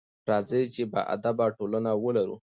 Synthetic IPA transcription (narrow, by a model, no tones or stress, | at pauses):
ɾɑzət͡ʃeba̰ʔa̰d̪abaʈolanawəlaɾṵ